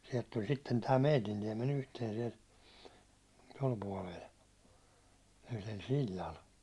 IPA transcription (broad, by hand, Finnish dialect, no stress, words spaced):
siɛlt tulʲ sitːen tæː meitin tiemːen yhteːn siɛl tol puɒlel yhlel silʲːɑl